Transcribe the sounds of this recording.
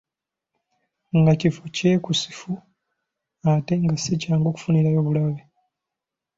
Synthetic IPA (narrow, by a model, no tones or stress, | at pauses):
ŋɡacifuceːkusi̥fu | ate̞ŋɡasecaːŋɡoku̥funiɾajo̞βulaβe